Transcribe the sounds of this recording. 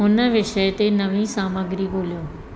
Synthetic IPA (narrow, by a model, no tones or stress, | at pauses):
ʊnəʋɪʃəjt̪enɐʋĩsaːməɡɾiboːljõː